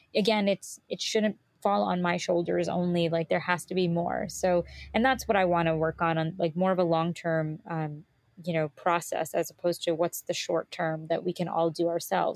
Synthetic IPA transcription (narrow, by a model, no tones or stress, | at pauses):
ɨɡɛ̃nɨtsɨtʃʊdⁿn̩t | fɔlˠə̰̃nmaɪʃoʊlˠdə̰˞zõ̰ʊ̃nlilaɪk̚ðə˞hæstɨbimɔ̰ɹsoʊɨ̃nðætswʌɾaɪwɑ̃nəwɜ˞kn̩ə̃nlaɪk̚mɔɹʌvəlɔ̃ŋtʰɜ̃˞mʌ̃m | jɨnoʊpʰɹ̥ɔsɛ̰sɨzəpʰoʊz̥tʰɨwʌtsðɨʃɔ̰ɹtʰɜ̃˞mðɨ̰ʔ̚wikɨ̃nʔɔ̰lˠdɨə˞sɛ̰lˠv